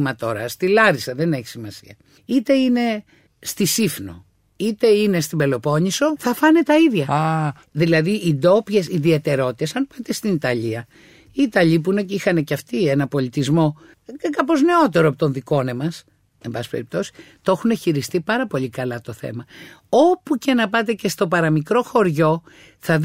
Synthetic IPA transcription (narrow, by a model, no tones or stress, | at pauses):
mɐt̪o̞ɾɐst̪ilɐɾisɐðe̞neçi̥simɐsḭɐ | it̪e̞ine̞ | st̪isifno̞̰ | it̪e̞ine̞st̪ibe̞lo̞po̞ɲiso̞θɐfɐnet̪ɐiðʝɐ | ðilɐðiʔid̪o̞pʝe̞siðiet̪e̞ɾo̞t̪it̪esɐnpɐt̪est̪init̪ɐʎiɐ | iːt̪ɐʎip̬une̞ceixɐne̞ceɐft̪ienɐpo̞lit̪izmo̞ | kɐpo̞zne̞o̞t̪e̞ɾoɐpot̪o̞nðiko̞ne̞mɐs | e̞mbɐsi̥speɾip̚t̪o̞si̥t̪oo̞xune̞çiɾist̪ipɐɾɐpo̞ʎikɐlɐt̪oθḛmɐopuce̞nɐpɐt̪e̞ce̞st̪o̞pɐɾɐmikɾo̞xo̞ɾʝo̞ | θɐ